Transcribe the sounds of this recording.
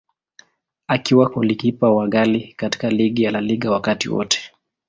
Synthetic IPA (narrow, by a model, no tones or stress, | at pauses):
akiwakɔlikipawaɠalikati̥kaliɠijalaliɠawakatḭwɔ̰tɛ̥